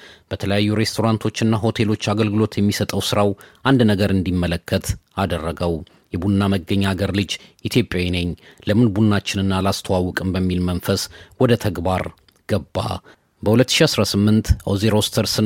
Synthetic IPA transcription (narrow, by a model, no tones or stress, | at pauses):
b̥ət̪ʰələjajːuɾe̞st̪ʰo̞ɾant̪ʰo̞t͡ʃːɨnːaɦo̞t̪ʰe̞lo̞t͡ʃːaɡəlɡɨlo̞t̪jɛmːisət̪ʼəwsɨɾawʔand̪nəɡəɾɨnd̪imːələkːət̪ad̪ərːəɡəw | jɛbunːaməɡːəɲːaɡəɾlɨd͡ʒʔit̪ʰjo̞pʼjawinəɲːləmɨnbunːat͡ʃːɪnɨnːalast̪ʰəwawɔkʼɨmbəmːilmənfəswɔd̪ət̪ʰəɡbaɾ | ɡ̥əbːa̰ | bəhulət̪ːɨ̥ʃiasɾasɨmːɨnt̪ʔowzeɾo̞st̪ʰəɾsɨ